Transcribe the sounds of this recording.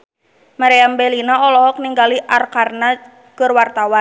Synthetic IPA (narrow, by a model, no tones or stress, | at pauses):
maɾeambelinaɔlɔhɔk̚niŋɡaliʔarkarna | kərwart̪awan